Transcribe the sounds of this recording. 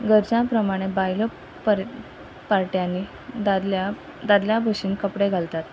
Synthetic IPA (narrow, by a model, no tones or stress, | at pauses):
ɡəɾd͡zãpɾəmaɽ̃ebajlo | p | paɾʈjanːi | d̪ad̪ljabʱəɕiːnkəpɽeɡʱalt̪at̪